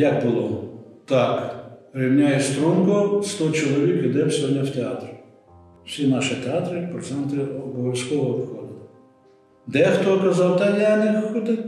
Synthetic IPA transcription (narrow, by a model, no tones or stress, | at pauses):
jɐk̚bʊlˠɔt̪ɑkrʲiwnʲajɛst̪ɾumkɔst̪ɔt͡ʃɔlˠɔʋʲikid̪ɛwsʲɔdʲnʲɐwt̪ʲeɑt̪r | wsʲinɑʃɪt̪eɑt̪ɾɪpɾɔt̪sɛnt̪ɪɔbɔʋʲjɐsʲkɔɦɔːpxɔd̪ʊ | d̪ɛxt̪ɔkɐzɑwt̪ɐlʲjanɪxʊd̪ɪ